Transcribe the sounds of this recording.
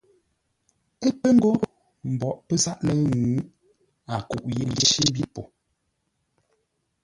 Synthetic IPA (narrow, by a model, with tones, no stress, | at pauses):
e˦pə˦ŋ̩˦ɡɔ˦ʔ | m̩˨bɔ˨ʔpə˦za˦ʔnə˨˦ŋuː˨˦ | a˨kṵ˨ʔji˦je˦ʃi˦m̩˦bi˦po˨